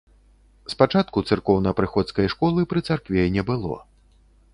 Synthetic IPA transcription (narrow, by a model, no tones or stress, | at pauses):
spat͡ʂat̪̚kut̪sɨrkɔwnɐpɾɨxɔt̪skɐjʂkɔlˠɨpɾɨt̪sarkvʲɛjnʲɛbɨlˠɔ̰